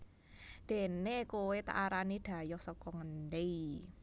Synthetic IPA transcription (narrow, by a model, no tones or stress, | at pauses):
d̪̥e̤nekowet̪a̰ʔaɾanid̪̥ä̤jɔhsɔkɔŋənd̪ei